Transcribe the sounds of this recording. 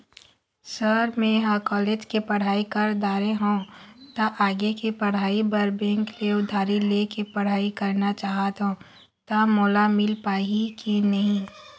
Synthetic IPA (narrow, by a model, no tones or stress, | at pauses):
səɾmẽɦãkɔːleːd͡ʒkepɐɽ̤aːikəɾd̪aːɾeɦõːt̪aʔaːɡekipɐɽ̤aːibɐɾbɛ̃ːŋkleʊd̪ʱaːɾilekepɐɽ̤aːikɐɾnat͡ʃaːɦat̪ɦõː | t̪amoːlamɪlpaːikinɐɦĩ